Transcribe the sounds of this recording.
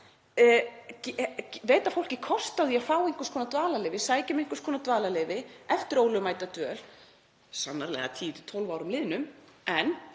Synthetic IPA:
cveːjt̪afowl̥cɪkʰɔst̪awðiafaːweŋ̥kʏskʰɔnat̪vaːlalɛːvɪsaːjcɪmɪŋ̥kʏskʰɔːnat̪vaːlalɛːvɪɛft̪ɪɾoːwlʏmaːjt̪at̪œːl̥ | sanːaɾlɛ̰ɣa̰t̪ʰiːɪt̪ʰɪ̥t̪ʰolvaːwɾʏmlɪːðnʏmɛn

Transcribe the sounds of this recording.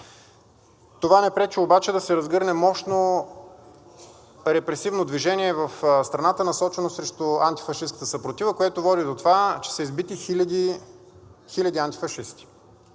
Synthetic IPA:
t̪ovanɛpɾɛt͡ʃɛobat͡ʃɛd̪ɐsɛɾɐzɡɤɾnɛmɔʃno | ɾɛpɾɛsivnod̪viʒɛnʲiɛvɐfst̪ɾɐnat̪ənɐsɔt͡ʃɛnosɾɛʃt̪oant̪i̥fɐʃiskət̪əsəpɾot̪ivəkoɛt̪ovɔd̪id̪ot̪ovat͡ʃɛ̥sɛizbit̪iid̪i | xilʲɐd̪iant̪i̥fɐʃist̪i̥

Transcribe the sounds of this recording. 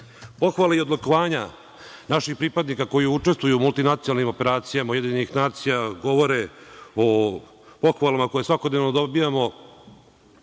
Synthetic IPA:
po̞xʋalaiod̪lokoʋaːɲa | naʃixpɾipad̪nikako̞jiut͡ʂe̞st̪ʋujumult̪inat̪sijoalˠnimo̞pe̞ɾaːt̪sijamaujed̪iɲenixnaːt̪sijaɡo̞ʋo̞ɾeo | po̞xʋalamako̞jesʋakod̪neʋnod̪obijamo̞

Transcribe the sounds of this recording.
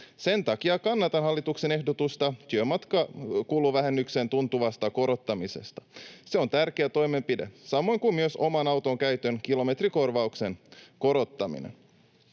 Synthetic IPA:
se̞nt̪ɑkiɑkɑnːɑt̪ɑnɦɑlːit̪ukse̞ne̞hdot̪ust̪ɑt̪yømɑt̪kɑkuːluːʋæɦenːyksent̪unt̪uʋɑst̪ɑko̞ɾo̞t̪ːɑmisest̪ɑ̥se̞o̞nt̪ærkeæt̪o̞jme̞mpide̞̰sɑmo̞jŋkummyøso̞mɑnɑwt̪oŋkæyt̪ønkilo̞me̞t̪riko̞rʋɑukse̞nko̞ɾo̞t̪ːɑmḭnḛn

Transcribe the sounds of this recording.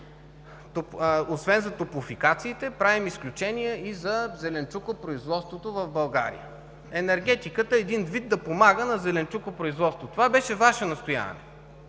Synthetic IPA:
t̪oosvɛnzɐt̪opʊfikat̪siːt̪ɛpɾavimisklʲut͡ʃɛnijɛizɐzɛlɛnt͡ʃukopɾoizvɔt̪st̪vot̪ovɐvbɐlˠɡa̰ɾḭjə̰ | ɛnɛɾɡ̟ɛt̪ikət̪əɛd̪ind̪vid̪̚d̪ɐpomaɡənɐzɛlɛnt͡ʃukopɾoizvɔt̪st̪vot̪ovabɛʃɛvaʃɛnɐst̪oja̰vɐ̰nɛ̰

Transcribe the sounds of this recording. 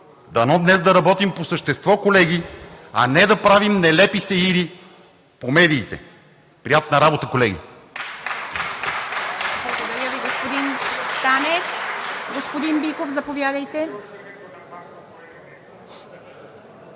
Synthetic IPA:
d̪ɐnɔd̪nɛzd̪ɐɾɐbɔt̪imposəʃt̪ɛst̪vɔkolɛɡiɐnɛd̪ɐpɾavimnɛlɛpisɛiɾi | pomɛd̪iːt̪ɛ̰ | pɾiat̪nɐɾabot̪əkolɛɡʲḭ | blˠɐɡod̪ɐɾʲəviɡospod̪int̪anɛkɡospod̪imbikofzɐpovʲjad̪əjt̪ɛ

